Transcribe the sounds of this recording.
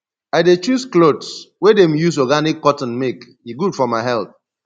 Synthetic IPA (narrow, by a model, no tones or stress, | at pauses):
aɪdet͡ʃusklodswedẽmjus̬ɔɡanikːɔtɔ̃n̩mek | iɡudfɔmaɪɦɛlθ